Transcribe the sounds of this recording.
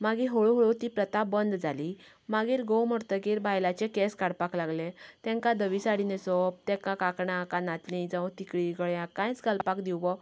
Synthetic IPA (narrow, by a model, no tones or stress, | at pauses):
maɡiɦoɭoɦoɭot̪ipɾət̪abənd̪d͡zali | maɡiːɾɡowməɾt̪əkiːɾbajlat͡ɕekɛskaɽpaklaɡlet̪ɛ̃ŋkãd̪əʋisaɽinesɔp̚t̪ɛ̃kãkakɳãkãnat̪lĩd͡zãũt̪ikɭiːɡəɭjãkːãjt͡sɡəlpakd̪iwʋɔ